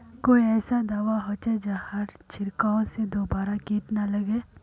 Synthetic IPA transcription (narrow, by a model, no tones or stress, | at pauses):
koːiɛːsad̪aːʋaɦoːt͡ʃed͡ʒahɐɾt͡ʃʰɪɾkaõsed̪oːbaːɾakiːʈnalɐɡeː